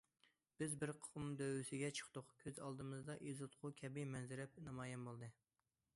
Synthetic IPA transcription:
b̥ɪzbɪɾqʰumd̪øwysɪɡʲɛt͡ʃʰə̥χt̪ʊqkʲʰøzɑlˠd̪ɨmɨzd̪ɑʔizɨt̪qʰʊkʲʰɛbɪmɛnzɪɾɛp̚nɑmɑːjɛmbolˠd̪ɨ

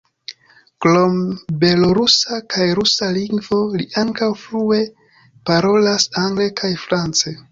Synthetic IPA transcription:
klombe̞loɾusakʰajɾusaliŋɡvo̞liʔaŋkawfɾue̞ | paɾo̞lasaŋɡle̞kʰajfɾant͡se

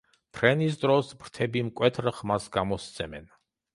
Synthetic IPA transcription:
pʰɾɛnis̬d̪ɾɔsbɾt̪ʰɛbimkʼwɛt̪ʰɾχmasɡamɔst̪sʰɛmɛ̰n

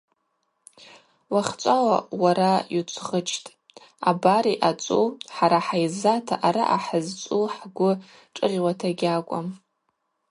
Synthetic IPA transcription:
waχʲt͡sʷʼawawaɾajut͡sʷʰχət͡ʃʰtʼ | abaɾiʔat͡sʷʼuħaɾaħajzatʰaʔaɾaʔaħəzt͡sʷʼuħɡʷʊ | ʈ͡ʂʼɨrwatʰaɡʲakʷʼam

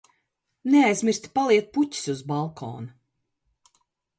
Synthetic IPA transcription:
neajzmʲiɾst̪ʲi̥palˠiɛt̪̚putʲi̥suzbalˠkʰɔ̰ːnu

